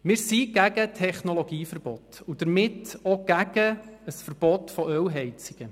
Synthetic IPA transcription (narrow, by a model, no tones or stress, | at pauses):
mɪɾsiɡ̥æɡətʰɛχnolɔɡiːfəɾb̥ɔtud̥əɾmɪtoɡ̥æɡ̥əəsfəɾb̥ɔtfɔʔœwɦɛjt͡siɡ̥ə